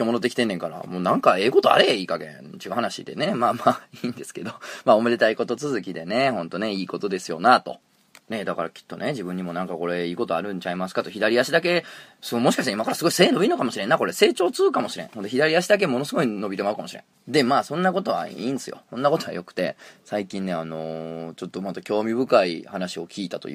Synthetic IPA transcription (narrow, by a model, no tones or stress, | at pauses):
kʲomonot̪ekʲi̥t̪e̞nːeŋkaɾa̰moːnãŋkae̞ːko̞t̪oa̰ɾeiːkaɡḛ̃t͡ɕiɡaɦanaɕḭd̪e̞̰ne̞maːmaːiːnd̪e̞sɨ̥ke̞d̪o̞maːomed̪e̞t̪aiko̞t̪o̞t͡sɨzɨkʲid̪e̞ne̞hõ̞nt̪o̞ne̞iːko̞t̪o̞d̪e̞sɨjo̞nat̪o̞̰ | ne̞d̪akaɾa̰kʲi̥t̪ːo̞ne̞d͡ʑibɯ̟̃ɲ̟ːimo̞nãŋkako̞ɾe̞iːko̞t̪o̞aɾɯ̟̃ɲt͡ɕaimasɨ̥kat̪o̞çid̪aɾʲijaɕid̪ake̞somo̞ɕi̥kaɕit̪aimakaɾasɨɡo̞ise̞ːno̞bʲino̞kamo̞ɕiɾenːako̞ɾe̞se̞ːt͡ɕo̞ːt͡sɨːkamo̞ɕiɾẽ̞̰hond̪eçʲid̪aɾʲiaɕid̪ak̬e̞mo̞no̞sɨɡo̞ino̞bʲit̪e̞maɯ̟kamo̞ɕiɾḛ̃ | d̪e̞maːsõ̞nːako̞t̪o̞βa̰ḭːnd̪esɨjo̞̰sõ̞nːako̞t̪o̞βa̰jo̞kɯ̟̥t̪e̞̰saikʲĩnːe̞ano̞t͡ɕo̞t̪ːomat̪akʲo̞ːmʲibɯ̟kaihanaɕio̞kʲiːt̪at̪o̞̰jɯ̰